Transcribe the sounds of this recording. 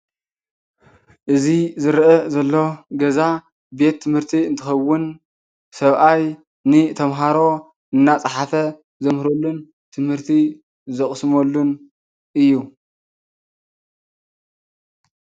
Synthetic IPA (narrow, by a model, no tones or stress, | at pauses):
ʔɨzizɨɾʔɐzɐlːo̞ɡɐza | be̞t̪ʰːɨmhɨɾt̪ʰiɨnt̪ʰɨxɐwːʊn | sɐβʔaj | nɨt̪ʰɐmɦaɾo̞ | ʔɨnːat͡sʼɐħafɐ | zɐmhɨɾolːun | t̪ʰɨmhɨɾt̪ʰi | zɐχʼsɨmolːun | ʔɨjːu